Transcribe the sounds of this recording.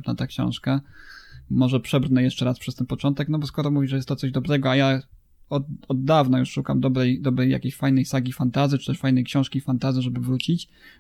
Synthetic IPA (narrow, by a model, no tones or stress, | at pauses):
pnat̪akɕɔ̰̃w̃ʂka | mɔʐɛpʂɛbɾnɛjɛʂt͡ʂɛɾaspʂɛst̪ɛnpɔt͡ʂɔnt̪ɛknɔbɔskɔɾɔmuvʲiʐɛjɛst̪ːɔt̪sɔʑd̪ɔbɾɛɡɔaja | ɔɔd̪ːavnajuʂʂuka̰md̪ɔbɾɛjd̪ɔbɾɛja̰kʲeɕfajnɛjsaɡʲifant̪azɘt͡ʃt͡ʂɨ̥t̪ɛʂfajnɛjkɕɔ̃w̃ʂkʲifant̪azɘʐɛbɘvɾut͡ɕit͡ɕ